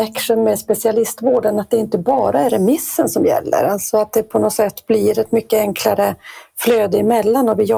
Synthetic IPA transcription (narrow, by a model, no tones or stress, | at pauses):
ɛkʂənmɛspɛsɪalɪst̪voːɖənat̪̚d̪ɛɾɪnt̪əbɑːɾaɛɾɛmɪsːənsɔmjɛ̰lːə̰ɾalt̪sɔat̪̚d̪ɛpʰɔnɔsɛt̪ːbliːɾɛt̪mʏkːəɛŋkʰlaɾəfløːd̪əɪmɛlːanɔvɪjɔ